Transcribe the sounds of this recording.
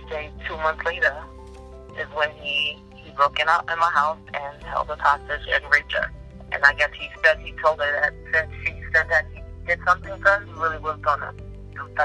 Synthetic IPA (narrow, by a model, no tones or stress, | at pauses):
deɪd̚tʰumʌ̃nθsleɪɾə˞ | ɪzwɨ̃ni | ibɹoʊkɨ̃naʊɾɨ̃nmaɪɦaʊsɨ̃nhɛ̰lˠd̚əpʰæstɨd͡ʒɨ̰̃dɹeɪtə̰˞ | ʔɨ̰̃naɪɡɛshispɛ̃d̚hitʰoʊlˠd̚ə˞ðɨt̚sɪ̃nshispɛ̃ndɨt̚hid̥ɨdsʌ̃mθɪ̃ŋdʌnɹɪlˠiwʌzdʌ̃nɨ̰̥